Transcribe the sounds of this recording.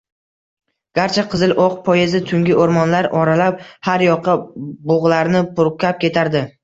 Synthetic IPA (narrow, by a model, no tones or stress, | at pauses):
ɡ̥ʲaɾt͡ʃʰaqʰɨzɪlʔɒqpʰɒjezɪt̪ʰʊŋɡʲɪʔoɾmɒnlaɾɒɾalap̚haɾjɒqʰːɑbʊʁlˠaɾnɪpʰʊɾkʲʰap̚kʲʰe̞t̪ʰaɾd̪ɪ